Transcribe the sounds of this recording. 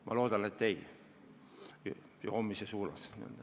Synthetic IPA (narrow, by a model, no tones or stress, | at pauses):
mɑ̰lo̞ːd̪̥ɑnet̪ːeij | joːmːisesuːlɑsnḭø̰ld̪ɑ